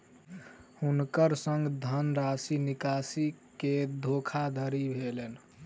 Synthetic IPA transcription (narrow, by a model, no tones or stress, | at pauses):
hunkəɾsəŋɡd̪ʱənɾasinikasiked̪ʱokʰad̪ʱəɾibʱelen